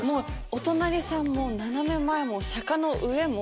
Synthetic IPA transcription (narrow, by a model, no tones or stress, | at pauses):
moːot̪o̞naɾʲisãmːonanamẽ̞mːaemo̞sakano̞ʔɯ̟e̞mo